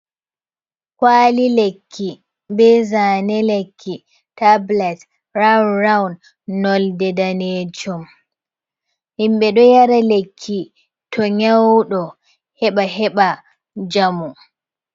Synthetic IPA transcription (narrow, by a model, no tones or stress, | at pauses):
kwaːlilekʰːi | bɛzanɛlekʰːi | tablɛt | ɹawnrawnd | nɔldɛdaneːd͡ʒɔm | himɓɛɗɔjaɾalekʰːi | tʰɔɲawɗɔ | hɛɓaɦɛɓa | d͡ʒamu